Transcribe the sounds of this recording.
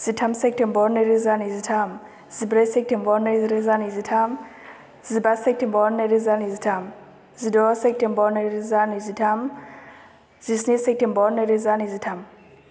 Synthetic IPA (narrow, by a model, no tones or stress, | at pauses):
z̥itʰamsek̚tembɔneɾizanizitʰam | zibɾesek̚tembɔnezɾezanizitʰam | zibasek̚tembɔnːeɾizanizitʰam | zidosek̚tembɔneɾizanizitʰam | zisnisek̚tembɔnːeɾizanizitʰam